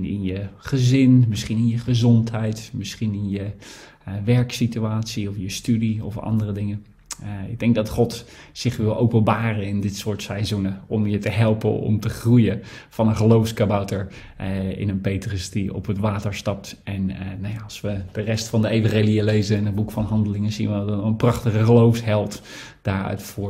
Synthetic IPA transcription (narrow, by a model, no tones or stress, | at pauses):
nɪ̰njəχəzɪnmɪsχinɪnjəχəzɔntɦɛjtmɪsχinɪnjə | ʋɛɹksityaːtsiɔfjəstydiɔfɑ̰ndərədɪŋə | ɪɡ̚dɛŋɡ̚dɑtχɔtsɪχʋɪlˠʔowpənbaːrənɪndɪtsʊːɹtsɛjzunəɔmjətəɦɛlˠpə̰nɔ̰mtəχrujəvɑnənχəlowfskabawtəɹ | ɪ̰nənpejtrəsdiɔ̰pɦətʋaːtəɹstɑp̚tɛnnajaɑlˠsʋəd̥ərɛstfɑndəejvɑ̃χejlijəlejzənɪnɦəd̚bukfɑnɦɑndəlɪŋənzḭnʋətnənprɑχtəχəχəlowfsɦɛlˠt | d̥aːɹœ̰ɥtfʊː